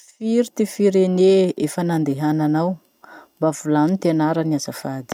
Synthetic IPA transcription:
fiɾit̪ifiɾeneefənand̪eɦananaw | mbavulanit̪enaɾəniazafad̪i̥

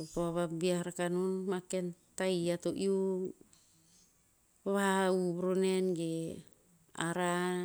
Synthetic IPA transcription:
opoaβabiahaɾakanunmake̞ntajatoʔiu | paβaauβɾone̞nɡe | a̰ɾa

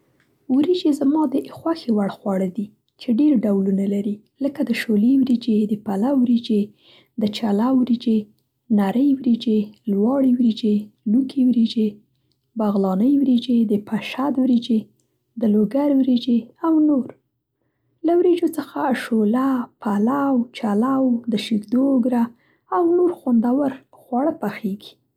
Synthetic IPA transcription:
wɾid͡ʒezamɑd̪əʔxwaxewaɽxwɑɽəd̪i | t͡ʃeɖeɾɖawlunalaɾi | ləkad̪əʃolewɾed͡ʒed̪əpalawwɾed͡ʒe | d̪ət͡ʃalawɾid͡ʒe | naɾəjwɾed͡ʒelwɑɽewɾed͡ʒelukʰewɾed͡ʒe | baɣlɑnəjwɾed͡ʒed̪əpʰaʃad̪wɾed͡ʒe | d̪əloɡaɾwɾed͡ʒeawnoɾ | lawɾed͡ʒot͡səxaʃolapʰalawt͡ʃalawd̪əʃɪɡd̪oːɡɾaː | wnoɾxond̪awəɾ | xwaɽəpaxeɡi̥

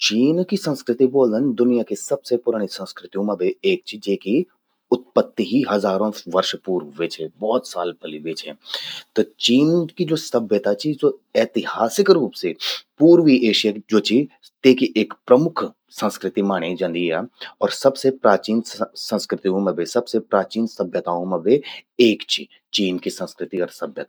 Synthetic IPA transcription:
t͡ʃiːnkisə̃nskɾɪt̪iboːlənd̪ʊnijakesɐbsepʊɾaːɽ̃isə̃nskɾɪt̪ijũmɐbeeːk̚t͡ʃʰid͡ʒeːki | ʊt̪̚pət̪ːiɦiɦɐzaːɾõʋɐɾʃpuːɾʋet͡ʃʰɛbɔːt̪sa̰ːlpɐliʋeːt͡ʃʰɛ̰ːt̪ot͡ʃiːnkid͡ʒoːsɐbjət̪at͡ʃʰizoɛːt̪ɪɦaːsɪkɾuːpsepuːɾʋieːʃijad͡ʒoːt͡ʃʰi | t̪eːkiʔeːkpɾɐmʊkʰ | sə̃nskɾɪt̪imaːɽ̃ẽd͡ʒɐ̃nd̪ijaɔːɾsɐbsepɾaːt͡ʃiːnsə̃nskɾɪt̪iɦũmɐbesɐbsepɾaːt͡ʃiːnsɐbʱjət̪aːɦõmɐbeeːkt͡ʃʰi | t͡ʃiːnkisə̃nskɾɪt̪iɔːɾsɐbʱjət̪ː

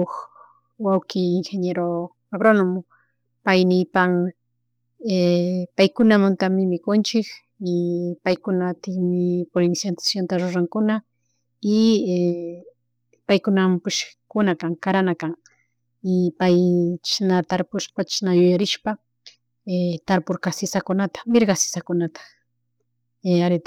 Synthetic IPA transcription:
ox | wawkɪɪŋxeɲeɾo | abɾonʊm | pajnɪjpaŋ | epajkʊnamʊnt̪amɪmɪkʊnt͡ʃɪk | ɪpajkʊnat̪ɪŋmɪpoɾɪnsjant̪ḁsjont̪aɾʊɾaŋkʊna | ɪe | pajkʊnampʊʃkʊnakaŋkaɾanakaŋ | ɪpajʃnat̪aɾpʊʃpat͡ʃnajʊjaɾɪʃpa | et̪aɾpʊɾkasɪsakʊnat̪ḁmɪɾɡasɪ̥sakʊnat̪ḁ | eaɾɪt̪a

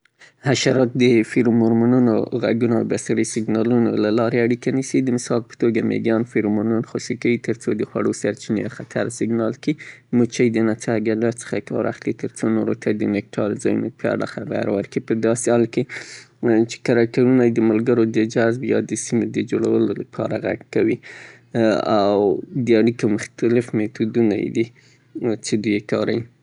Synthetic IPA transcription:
haʃaɾɑt̪̚d̪əfiɾumʊɾmununo̰ɣa̰ɡunoa̰wbasaɾisɪɡnɑlunolalɑɾeaɽikanisid̪əmɪsɑlpə̥t̪oɡamḛɡɑnfiɾmuɾnunxosikawit̪əɾt͡sod̪əxwaɽosaɾt͡ʃinexat̪ʰa̰ɾsɪɡnɑlkimut͡ʃajd̪ənat͡saɡalat͡sə̥xakɑ̰ɾa̰xlit̪əɾt͡sonoɾot̪ʰad̪ənɪk̚ʈʰɑɾzɑjunopɑ̰ɽa̰xaba̰ɾwəɾkipəd̪ɑsehɑlke | t͡ʃe̥kaɾɑk̚t̪aɾunajd̪əmʊlɡəɾod̪əd͡ʒazbjɑd̪əsimed̪əd͡ʒoɽawəlolapʰɑ̰ɾaɣa̰ɡkawi | awd̪əaɽikomʊxt̪alɪfmet̪ud̪una̰j̰d̪i | t͡ʃed̪ujekɑɾawi

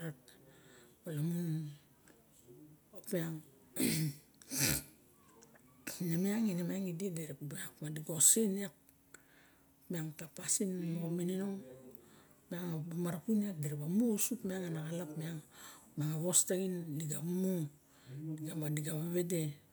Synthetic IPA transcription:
ɾat | balamun | opeaŋ | nemeaŋinemeaŋidedeɾekbakmadiɡosinak̚ | miaŋtapasinnoɡominenoŋ | meaŋabamaɾapuniak̚deɾebamusupmeaŋanakalapmeaŋpmiaŋaβostaɡinliɡamo | liɡamadiɡaβaβe̞de

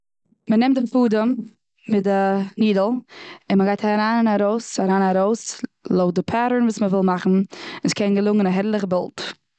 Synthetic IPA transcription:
mənɛmt̚dɪfuːdəm | mɪdɪniːdəl̩ˠɪnməɡaɪthaɾaːnɪnaɾoʊsaɾaːnaɾoʊslˠoʊdɪpʰaːɾəɹnvuːsməvɪlˠmaχn̩ɪnskʰɛnɡəlˠʊŋənaɦɛɾlˠəχəbɛlˠt

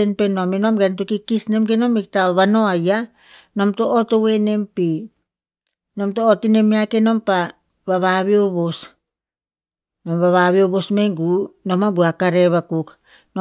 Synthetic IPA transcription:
enpeno̞meno̞mɡentukikisne̞mɡeno̞mik̚taβano̞aja | no̞mtoʔːtowe̞ne̞mpi | no̞mtoːtine̞miakeno̞mpa | βaβaβioβos | nomβaβaβioβo̞smeŋɡuno̞mabuakaɾe̞βakuk | no

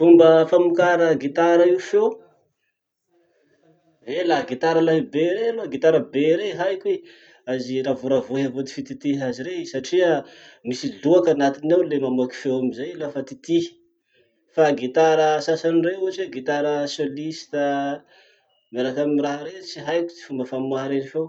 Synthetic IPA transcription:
fumbəfamukaɾəɡit̪aɾaiwfew | elaɡit̪aɾəlaɦibeɾealoaɡit̪aɾəbeɾeɦajkwe | aziɾavuɾavoɦavot̪i̥fit̪it̪iɦaziɾesaʈ͡ʂia | misiluakanat̪inawlemamaki̥fewamizajlafat̪it̪ih | faɡit̪aɾəsasanireuat͡ʃeɡit̪aɾəsolist̪ə | maɾakamiraɦɾet͡siɦajkʲu̥t͡si̥fumbəfamuaɾenifew

